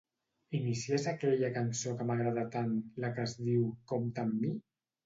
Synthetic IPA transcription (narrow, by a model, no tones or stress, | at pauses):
inisiezakɛʎəkansokəmaɣɾaðat̪anləkəzðiwkomt̪əmːi